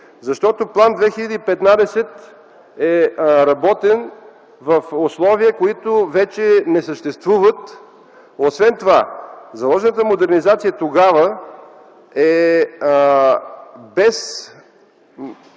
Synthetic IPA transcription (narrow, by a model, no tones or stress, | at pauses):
zɐʃt̪ɔt̪oplˠand̪vɛxilʲəd̪iipɛt̪nad̪ɛsɛt̪ | ɛɾɐbɔt̪ɛn | vɐfoslˠɔviəkoit̪ovɛt͡ʃɛnɛsəʃt̪ɛst̪vuvət̪ | osvɛnt̪ovazɐlˠɔʒɛnət̪əmod̪ɛɾnizat̪sijət̪oɡavə | ɛ | bɛs